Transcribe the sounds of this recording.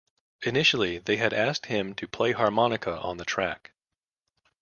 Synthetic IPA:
ɨnɪʃl̩ˠiðeɪɨɾæs̚t̚hɪ̃mtʰɨpʰl̥eɪhɑɹmɑnɨkʰəʔə̰̃nðɨtʰɹ̥æk

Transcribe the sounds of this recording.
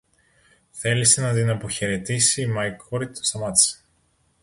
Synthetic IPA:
θe̞lisenɐd̪inɐpoçeɾe̞t̪isiːmɐjkoɾit̪ost̪ɐmɐt̪s

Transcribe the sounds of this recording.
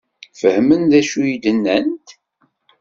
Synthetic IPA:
fəhmənðæʃujid̪ənːənt̪

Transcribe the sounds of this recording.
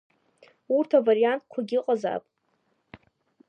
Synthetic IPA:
urtʰavaɾijantʼkʷʰaɡʲiqʼaza̰pʼ

